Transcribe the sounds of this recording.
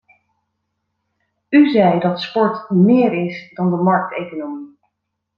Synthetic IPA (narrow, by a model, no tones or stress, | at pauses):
yzɛjdɑtspɔɹtmɪːɹɪsdɑndəmɑɹk̚tejkonomi